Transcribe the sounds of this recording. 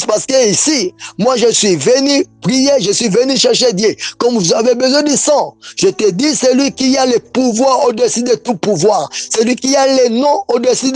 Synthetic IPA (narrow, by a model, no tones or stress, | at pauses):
paʁsə̥kəisimwaʒəsɥivənypʁijeʒəsɥivənyʃɛʁʃed̪jekɔmvuzavebəzwɛ̃d̪əsɑ̃ʒ̥ət̪əd̪isəlɥikialepuvwaʁod̪esyd̪et̪upuvwaːʁsəlɥikialɛnɔ̃od̪esyd